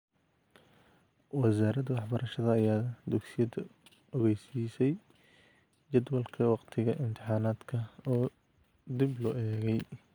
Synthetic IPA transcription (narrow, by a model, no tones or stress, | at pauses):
wɑsaːɾɐd̪wɑħbɐɾɐʃɐðɐːjaːd̪ʊɡsɪjɐd̪ɐ | ɔɣɛjsiːsɛj | d͡ʒɐd̪wɐlkʰɐwɑqt̪ʰɪɣɐʔɪmt̪ʰɪħɑːnaːd̪kʰɐɔː | d̪iblɔːʔɛːɣɛj